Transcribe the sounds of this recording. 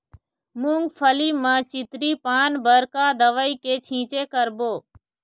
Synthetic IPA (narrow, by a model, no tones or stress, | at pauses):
mũːŋɡpʰəliːmãːt͡ʃɪt̪ɾiːpaːnbəɾkaːd̪əʋəiːkeːt͡ʃʰĩːt͡ʃeːkəɾboː